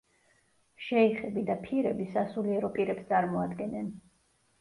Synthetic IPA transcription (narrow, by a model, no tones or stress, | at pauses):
ʃɛiχɛbid̪apʰiɾɛbisasuliɛɾɔpʼiɾɛpst̪sʼaɾmɔad̪ɡɛnɛn